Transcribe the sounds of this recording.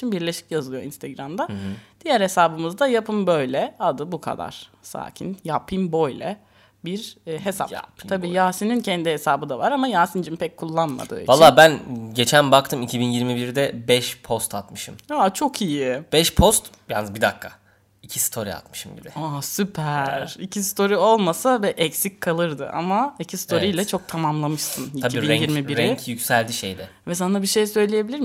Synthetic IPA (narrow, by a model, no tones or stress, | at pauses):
inbiɾlʲe̞ʃi̥cjazɯlˠjoḭnst̪ʰeɡɾamd̪ad̪̥ijæɾhe̞saːbɯmɯzd̪ajapʰɯmbø̞jlʲɛad̪ɯbukʰa̰d̪a̰ɾ̥ | sa̰ːcʰḭnjapʰimbo̞jlʲɛ | biɾɦe̞sa̰abiːjaːsinincʰɛnd̪ihesaːbɯd̪avaɾamajaːsind͡ʒimpʰɛc̚kʰːulˠːanma̰d̪ɯḭvalːˠaːbænɟe̞t͡ʃʰænbak̚t̪ʰɯmicʰibinjiɾmibiɾd̪ɛbɛʃpʰo̞st̪ʰat̪mɯʃɯmaːt͡ʃʰo̞kʰijib̥ɛʃpʰo̞st̪janːɯzbid̪akʰːa | icʰi̥si̥t̪ʰoɾḭa̰t̪mɯ̥ʃɯmbḭdɛaːsypʰæɾ̥icʰist̪ʰo̞ɾio̞lˠmasavɛʔɛcsickʰalˠɯɾd̪ɯ̰ʔa̰maicʰist̪ʰo̞ɾijlʲɛt͡ʃʰo̞k̚t̪ʰamamlˠamɯʃsɯniaiːbinɛjiɾmibiɾɛcʰjykcsælʲd̪iʃejd̪ɛ | vɛs̬anabiʃe̞jsø̞jlʲeje̞bilʲiɾm